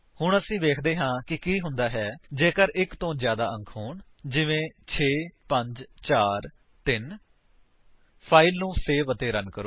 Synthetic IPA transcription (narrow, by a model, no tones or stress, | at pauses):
hʊɳəsĩːʋeːkʰd̪eːɦãːkɪkiːɦʊnd̪aːɦɛːd͡ʒeːkəɾɪkt̪õːzjaːd̪aːʔə̃ŋkʰɦoːɳ | d͡ʒɪʋẽːt͡ʃʰeːpəɲd͡ʒt͡ʃaːɾ | t̪ɪn | pʰaːɪlnũːseːʋət̪eːɾənkəɾoː